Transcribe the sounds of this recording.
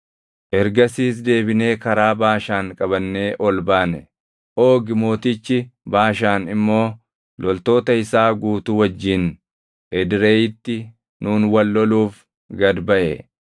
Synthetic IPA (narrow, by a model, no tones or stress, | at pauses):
ʔɛɾɡɐsiːsd̪e̞ːbɪne̞ːkɐɾaːbaːʃaːŋkʼɐβɐnːe̞ːʔɔlbaːnɛ | ʔo̞ːɡɪmo̞ːt̪ɪt͡ʃːɪbaːʃaːnɪmːo̞ː | lɔlt̪o̞ːt̪ɐɪsaːɡuːt̪ʊwɐd͡ʒːɪn | ʔɛd̪ɪɾeːjɪt̪ːɪ | nuːnwɐlːɔluːf | ɡɐd̪bɐʔɛ̰